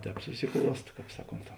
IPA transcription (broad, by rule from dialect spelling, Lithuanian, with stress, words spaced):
ˈtʲɛːp sʊsʲɪˈklˠuɔst ˈkɑːp ˈsɑːˌkoːnt